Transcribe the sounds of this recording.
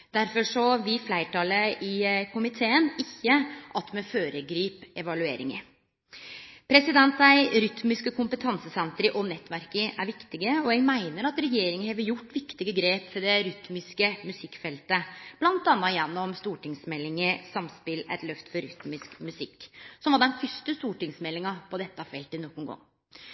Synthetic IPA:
d̪̥æɾfɔʂɔʋɪflæɪʈʰɑləɪkʰʊmɪt̪ʰeːənɪçːəʔɑt̪mɛføːɾəɡɾiːpɛʋɑlʉeːɾɪ̰ŋə̰ | pʰɾɛsɪd̪ɛnt̪æɪɾʏt̪mɪskəkʰʊmpət̪ʰɑnsəsɛnt̪ɾəʔɔnɛt̪ːʋæɾkəʔæɾʋɪkt̪ɪɡəɔɛɡmæɪnəɾɑt̪ɾɛjeːɾɪŋənheːʋəjʊʈːʋɪkt̪ɪɡəɡɾeːpfɔɖɛɾʏt̪mɪskəmʉsɪkːfɛlt̪əb̥lɑnt̪ɑnːɑjɛnːɔmst̪uːʈɪŋsmɛlːɪŋəsɑmspɪlæ̰ɪt̪lœft̪fɔɾʏt̪mɪskmʉsɪkːsɔmʋɑɖɛnfʏʂʈ̪əst̪uːʈɪŋsmɛlːɪŋɑpʰɔd̪ɛt̪ːəɑfɛlt̪ənɔkːʊnɡɔ̰ŋː

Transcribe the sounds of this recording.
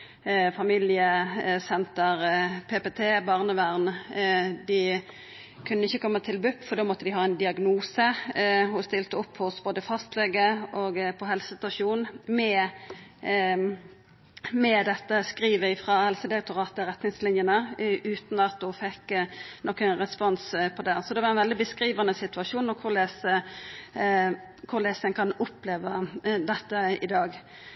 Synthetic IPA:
fɑmilɪəsɛnt̪əʁpʰeːpet̪ʰeːbɑʁnəʋæʁn | d̪ɪ | kʰʉnəɪçːəkʰɔmːət̪ʰɪlbʉpːfɔʁd̪oːmɔt̪ːəd̪ɪɦɑːɛnd̪ɪɑɡnuːsəhʊst̪ɪlt̪əɔpːhʊsboːd̪əfɑst̪lɛɡəoɡpʰɔɦɛlsə̥sɪst̪ɑʂuːnmɛ | mɛd̪ɛt̪ːəskɾiːʋəɪfʁɑhɛlsəd̪ɛk̚t̪ʊʁɑːt̪əʁɛt̪nɪŋslɪnjənəʔʉːt̪nɑt̪̚d̪ʊfɛkːnɔkːəʁɛspɔnspʰɔd̪ɛsɔd̪ɛʋɑɾɛnʋɛld̪ɪbəskɾiːʋɑnəsɪt̪ʉɑʂuːnːɔkʰʊɾleːsə | kʰʊʁleːsəəŋkʰɑnʊpleːʋəd̪ɛt̪ːəɪd̪ɑːɡ

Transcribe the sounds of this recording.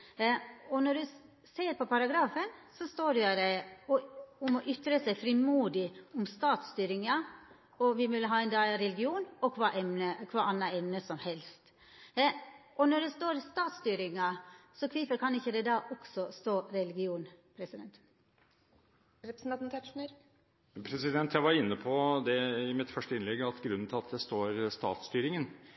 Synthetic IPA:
ɔnɔɖʉ | seːɾpʰɔpʰɑɾɑɡɾɑːfənsɔst̪oːɖʉæd̪ɛ | ʊmɔʔʏt̪ɾəsɛɪfɾɪmuːd̪ɪʊmst̪ɑːt̪st̪yːɾɪŋɑ | ɔʋɪmɪlːəɦɑːɛnd̪ɑːɾɛlɪɡɪuːnɔkʰʋɑːʔɛmnəkʰʋɑːʔɑnːɑɛmnəsɔmhɛlst̪ | ʔɔnɔɖɛst̪oːɾst̪ɑːt̪st̪yːɾɪŋɑsɔkʰʋiːfəɾkʰɑnɪçːəd̪ɛd̪ɑːʔɔksɔst̪oːɾɛlɪɡɪuːnpʰɾɛsɪd̪ɛnt̪ | ɾɛpɾsn̩ɑnt̪ʰɛʂnəɾ | pʰɾɛsɪd̪ɛnt̪ʰjæʋɑɾɪnːəpʰɔd̪ɛɪmɪt̪fœʂʈəɪnlɛɡːɑt̪ɡɾʉnːn̩t̪ʰɪlɑt̪d̪ɛst̪oːɾst̪ɑ̰ːt̪st̪yːɾɪŋən

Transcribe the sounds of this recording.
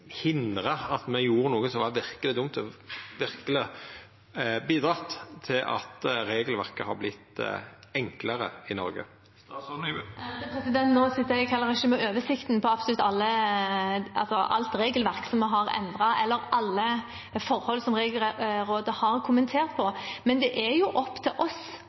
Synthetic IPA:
hɪnd̪ɾəɑt̪mɛjuːɾənuːɡəsɔmʋɑʋɪʁkəlɪd̪ʊmt̪ʰʋɪɾkəlɪ | biːd̪ɾɑt̪t̪ʰːɪlʔɑ̰t̪ɾeːɡəlʋæʁkəhɑ̰ɾblɪt̪ːɛŋkləɾə̰ɪnɔ̰ɾɡə̰ | pʰɾɛsɪd̪ɛnt̪noːsɪt̪ːəɾækʰɑlːəɾɪçəmɛʔøːʋəʂɪkt̪npʰɔɑpsɔlʉt̪ːɑlːə | ʔɑ̰lsɔʔɑ̰lt̪ɾeːɡəlʋæʁksɔməɦɑʁɛ̰nd̪ʁɑʔɛlːəɾʔɑlːə | fɔɾhɔlsɔmɾeːɡəlɾoːd̪əhɑʁkʰʊmənt̪ʰeːʁt̪pʰɔmɛnd̪ɛʔɛjʊʔɔpːt̪ʰɪlʔɔs

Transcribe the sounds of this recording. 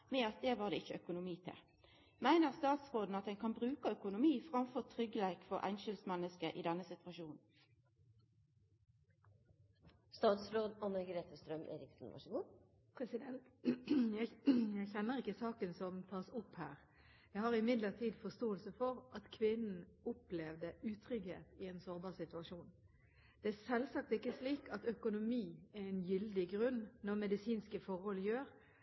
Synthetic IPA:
mɛɑt̪̚d̪ɛːʋɑːʁd̪ɛɪçːəœkʊnʊmiːt̪ʰɪ̰l | mæɪnəʁst̪ɑːt̪sʁoːd̪n̩ɑt̪̚d̪ɛnkʰɑnbʁʉːkəœkʊnʊmiːfʁɑmfɔʁt̪ʰʁʏɡəleːkfɔʁʔæ̰ɪnʃɪlsmɛnːəskəʔɪ̰d̪ɛnːəsɪt̪ʰʋɑʃuːnn̩ | st̪ɑːt̪sɾoːd̪ɑnəɡɾeːt̪ʰəst̪ɾœmʔḛːɾɪksn̩ʋɑ̰ʂəɡuː | pʰɾɛsɪd̪ɛnt̪jæjæɪçɛnːəɾɪkːəsɑːkənsɔmt̪ʰɑːsʊphæːʁ | jæɪhɑɾɪmɪd̪ləʁt̪ʰiːd̪fɔst̪oːəlsəfɔʁʔɑt̪kʰʋɪnn̩ʊplɛʋd̪əʉːt̪ʰɾʏɡhḛːt̪ɪɛnsoːɾbɑːʁsɪt̪ʉɑʂuːn | d̪̥ɛæʁsɛlsɑk̚t̪ɪkːəsliːkʰɑt̪œkʊnʊmiːæɛnjʏld̪ɪɡʁʉnnɔʁmɛd̪ɪsiːnskəfɔɾhɔljøːɾ

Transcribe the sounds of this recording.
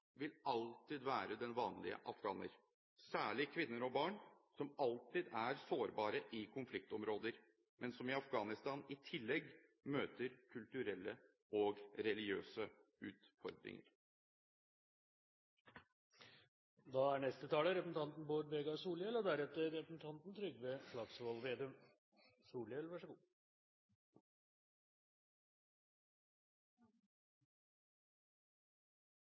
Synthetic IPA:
ʋɪlɑlt̪ɪd̪ʋæːɾəd̪ɛnʋɑːnlɪ̰ə̰ʔɑfɡɑ̰ːnə̰ɾ | sæːɭɪkʰʋɪnːəɾɔbɑːɳsɔmɑlt̪ɪd̪æɾsoːɾbɑːɾəʔɪkʰʊnflɪk̚t̪ɔmɾoːd̪əɾ | mɛnsɔmɪɑfɡɑːnɪst̪ɑːnɪt̪ʰɪlːɛɡːmøːt̪əɾkʰʉlt̪ʉɾɛlːə | ɔɡɾɛlɪɡɪø̰ːsə | ʉ̰ːt̪fɔ̰ɾd̪ɾɪ̰ŋə̰ɾ | d̪ɑæɳɛst̪ət̪ʰɑːləɾɛpən̩t̪ʰɑnt̪n̩boːɾʋeːɡɑsuːljɛlɔd̪æɾɛt̪əɾɛpənn̩t̪ʰɑnt̪n̩t̪ʰɾʏɡʋeːflɑɡsʋɔlʋeːd̪ʉm | suːljɛlʋæʂəɡuː

